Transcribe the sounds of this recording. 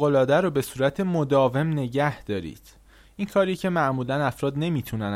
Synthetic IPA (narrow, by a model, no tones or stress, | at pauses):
ɣolɒːd̪æɾobe̞suːɾæt̪ʰemod̪ɒːve̞mne̞ɟæhd̪̥ɒːɾḭːd̪̥ | inkʰɒːɾiːcʰe̞mæʔmuːlænæfɾɒːd̪ne̞miːt̪ʰunæn